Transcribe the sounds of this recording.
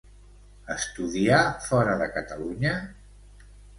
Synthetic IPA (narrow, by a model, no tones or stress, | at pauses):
əst̪uðiafɔɾəðəkət̪əluɲə